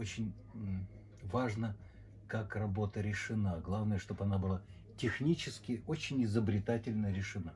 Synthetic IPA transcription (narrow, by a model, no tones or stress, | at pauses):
ot͡ɕɪnʲ | vaʐnə | kakrɐbo̞t̪əɾʲɪʂɨnaɡlˠavnəjəʂt̪o̞bɐnabɨlˠa | tʲɪxnʲit͡ɕɪskʲɪot͡ɕɪnʲɪzəbɾʲɪt̪atʲɪlʲnəɾʲɪʂɨna